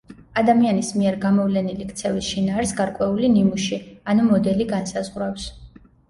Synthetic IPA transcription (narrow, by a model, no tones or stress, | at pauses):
ad̪amianismiɛɾɡamɔvlɛnilikʰt̪sʰɛvisʃinaːɾsɡaɾkʼwɛulinimuʃianumɔd̪ɛliɡansazʁɾafs